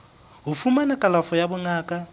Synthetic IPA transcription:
ɦʊfumanɛkʼalafɔjabʊŋaːkʼa

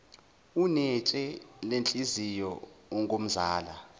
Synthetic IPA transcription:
unɛt͡ʃʼɛlent͡ɬʼizijɔɔŋɡʱom̩zaːla

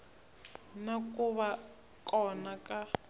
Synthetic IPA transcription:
nakuβa | kʼɔnaka

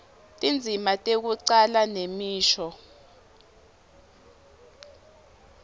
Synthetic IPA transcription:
tʼind͡zʱimatʼek̬uǀalanemiːʃɔ

